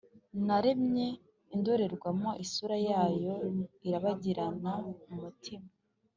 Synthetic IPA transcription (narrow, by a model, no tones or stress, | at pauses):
naɾemɲe | indoɾe̞ɾɡwamo̞ʔisuɾajaːjo̞iɾaβaɟiɾanamumutima